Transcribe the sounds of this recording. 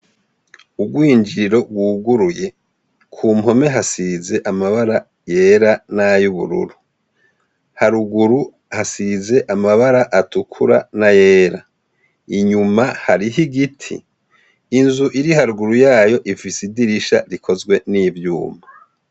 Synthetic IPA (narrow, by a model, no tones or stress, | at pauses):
ubɡwiːɲd͡ʒiɾiɾo̞ɡwuːɡuɾuje̞ | kʰuːmɦo̞me̞ɦasize̞ʔamaβaɾa | je̞ːɾanajuβṵɾṵɾu | haɾuɡuɾu | hasize̞ʔamaβaɾaʔatukʰuɾa̰naje̞ːɾa | iɲumahaɾiɦiɡitʰḭː | nzuʔiɾihaɾuɡuɾujaːjo̞ʔifisidiɾiʃa̰ɾikʰo̞zɡwe̞niːvjṵːmba